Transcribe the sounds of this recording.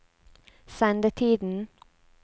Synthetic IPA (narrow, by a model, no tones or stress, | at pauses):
sɛnd̪ət̪ʰiːd̪n̩